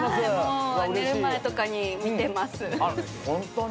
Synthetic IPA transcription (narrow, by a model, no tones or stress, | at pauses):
emone̞ɾɯ̟mae̞t̪o̞kaɲ̟imʲit̪e̞masɨ | hõnt̪o